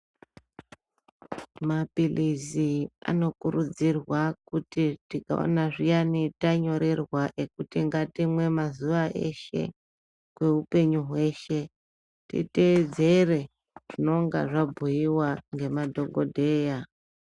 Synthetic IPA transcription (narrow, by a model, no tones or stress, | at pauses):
mapilizia̰no̞kuɾud͡zirwakutitika̰o̰naʐijanitaɲo̞ɾerwaʔe̞kutiŋɡatimwe̞mazuʋaʔḛʃe̞̰ | kwe̞ɦupe̞ɲuɦwe̞ʃe̞ | tḭte̞ːd͡ze̞re̞ | ʐino̞ŋɡa̰ʐabʱujiwaŋɡe̞madʱo̞ɡo̞dʱe̞ːja